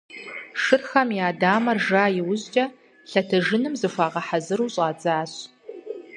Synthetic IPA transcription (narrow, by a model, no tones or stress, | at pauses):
ʂɨrxɐmjaːdaːmɐrʒaːjɪwʊʑt͡ʃʼɐ | ɬɐtʰɐʒɪnɨmzɨfʷaːʁɐħazɨɾuːɕʼaːt͡sʼaːɕ